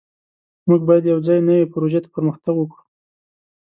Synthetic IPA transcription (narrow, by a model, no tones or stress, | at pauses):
muɡ̚bɑjad̪jawd͡zɑjnəwepɾoʒet̪ḁpəɾməxt̪aɡwəkɽu